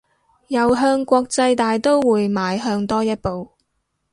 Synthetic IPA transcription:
jɐ˨wɦœː˧ŋkʷɔː˧k̚t͡sɐ˧jt̪aː˨jt̪o˥wwuː˨˧jmaː˨˧jɦœː˧ŋt̪ɔː˥jɐ˥t̚po˨w

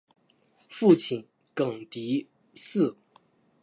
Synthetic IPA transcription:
fu˥˩t͡ɕʰi˨˩n | kɤ˨˩ŋt̪i˧˥ | sɹ̩˥˩

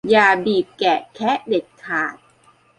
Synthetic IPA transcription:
jaː˧biː˨˩p̚kɛ˨˩kʰɛ˦˥ʔde˨˩t̪̚kʰaː˨˩t̪̚

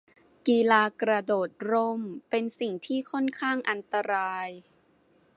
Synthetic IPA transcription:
kiː˧laː˧kɾa˧doː˨˩t̪̚ɾo˧˥mpe˧nsi˨˩ŋt̪ʰiː˥˩kʰo˥˩nkʰaː˥˩ŋʔa˧nt̪a˧ɾaː˧j

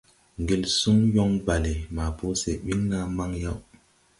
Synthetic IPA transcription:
ŋɡe˨lsu˦ŋjɔ˦ŋba˨le˨ma˨po˦se˨ɓi˦ŋna˦ma˦ŋja˦w

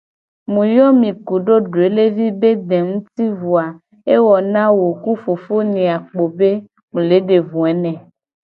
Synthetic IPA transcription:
mũ˨jɔ˦mĩ˨ku˨ɖo˦ɖo˨e˨le˦vi˦be˦d̪ẽ˨ŋũ˦t̪i˦vu˨a˨ | e˦wɔ˨nã˦wo˨ku˦fo˨fo˦nĩ˨a˨k͡po˨be˦ | ŋũ˨le˨˦ɖe˨vũ˨ɛ˨˦nɛ̃˨

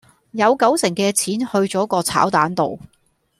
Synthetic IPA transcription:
jɐ˨˧wkɐ˨˥wsɪ˨˩ŋkɛː˧t͡sʰiː˨˥nhɵ˧ɥt͡sɔː˨˥kɔː˧t͡sʰa̰ː˨˥wt̪aː˨˥nt̪o̰˨w

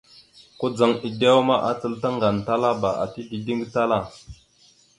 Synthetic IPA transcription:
ko˦d͡za˨ŋi˨da˦wma˦ʔa˨t͡sə˦lta˦ŋɡa˨nta˦la˦ba˨ʔa̰˨ti˦di˨di˦ŋɡta˦la˦˨

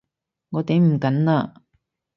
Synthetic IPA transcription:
ŋɔː˨˧t̪e˨˥jm̩˨˩kɐ˨˥nnaː˧

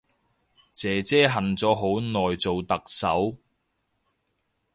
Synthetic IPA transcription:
t͡sɛː˨˧t͡sɛː˥ɦɐ˨nt͡sɔː˨˥ɦo˨˥wnɔː˨jt͡so˨wt̪ɐ˨k̚sɐ˨˥w

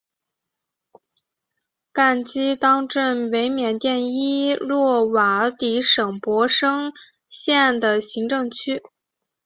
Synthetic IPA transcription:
ka˥˩nt͡ɕi˥t̪ɑ˥ŋʈ͡ʂə˥˩nwe˧˥ɪmjɛ˨˩nt̪jɛ˥˩ni˥lwɔ˥˩wa˧˥t̪i˧˥ʂɤ˨˩ŋpwɔ˧˥ʂɤ˥ŋ | ɕjɛ˥˩nd̪ə˩ɕi˧˥ŋʈ͡ʂɤ˥˧˩ŋt͡ɕʰy˥

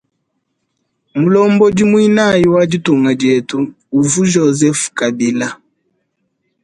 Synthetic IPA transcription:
mu˨lɔ˦mbɔ˦d͡ʒi˦mwi˦na˦˨ji˦wa˦d͡ʒi˦tu˨ŋa˨dɛ˨tuː˦˨ | vu˦ʒɔ˨zɛ˦fka˨bi˨la˦

